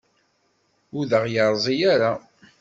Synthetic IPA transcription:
ʊðəʁjəɾˤzˤijaɾa

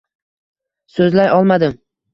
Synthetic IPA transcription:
sɵzlajʔɒlˠmad̪ɪm

